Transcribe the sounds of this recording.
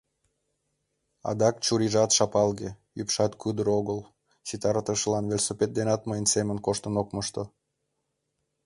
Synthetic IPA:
ɑ̰d̪ɑkt͡ɕuɾiʒɑt̪ʃɑpɑlɣe | ypʃɑt̪kyd̪əɾoɣəl | t͡ɕit̪ɑɾt̪əʃəlɑnvelʲsopet̪̚d̪enɑt̪məjənsemənkoʃt̪ənokməʃt̪o

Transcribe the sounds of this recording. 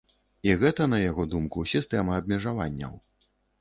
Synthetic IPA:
iɣɛt̪ɐnɐjaɣɔd̪umkusʲist̪ɛmɐɐbmʲɛʐavanʲːɐ̰w

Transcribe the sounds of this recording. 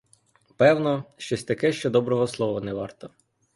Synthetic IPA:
pɛwnɔʃt͡ʃɔsʲt̪ɐkɛʃt͡ʃɔd̪ɔbɾɔɦɔslˠɔʋɔnɛʋɑrt̪ɔ

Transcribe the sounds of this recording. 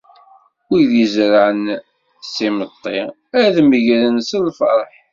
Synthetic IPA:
wiðizɾaʕən | simət̪ˤːi | æðməʝɾənsəlfɑ̰ɾˤħ

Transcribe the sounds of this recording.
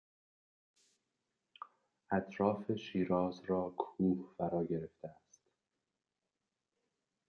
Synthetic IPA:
ʔæt̪ʰɾɒːfeʃiːɾɒːzɾɒːkʰuːhfæɾɒːɟe̞ɾeft̪eæst̪

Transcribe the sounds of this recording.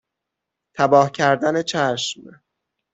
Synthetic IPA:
t̪ʰæbɒːhcʰæɾd̪ænet͡ʃʰæʃm

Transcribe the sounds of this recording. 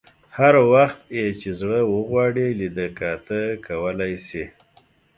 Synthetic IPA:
haɾwaxt̪jet͡ʃezɽəwəɣwɑɽilid̪əkɑt̪əkʰawəlajsi

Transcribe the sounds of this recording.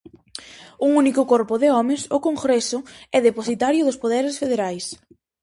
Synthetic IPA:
uŋunikʊkɔɾpʊðɪɔmɪsʊkoŋɡɾɛsʊɛðeposit̪aɾjʊðʊspoðɛɾɪsfeðeɾajs

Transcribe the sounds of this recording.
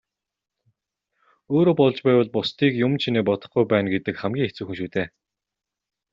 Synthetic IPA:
oːɾoːpɔɮt͡ɕpæːwə̆ɮpʊst̪ʰiːkjʊmt͡ɕʰineːpɔt̪ɞ̆χɡujpæːnɡet̪ɘ̆kχæmɡʲiːŋet͡sŭːxɘ̆ŋʃuːt̪ʰeː

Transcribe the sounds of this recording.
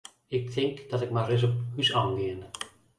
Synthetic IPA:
ɪk̚tʰɪŋkd̥ɑtɪk̚marɪs̬ɔp̚hysɑːŋɡɪən

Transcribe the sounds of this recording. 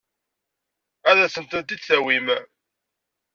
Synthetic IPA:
æðæsənt̪ənt̪̬iðθæwim

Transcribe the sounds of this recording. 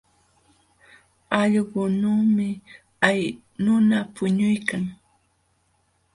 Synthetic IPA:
ɑʎɢʊnaːmɪ | aj | nʊnapʊɲʊjkaŋ

